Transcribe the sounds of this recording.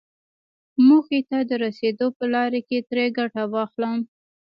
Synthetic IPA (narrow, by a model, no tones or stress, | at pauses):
muxet̪ad̪əɾased̪opəlɑɾeket̪ɾeɡaʈawɑxləm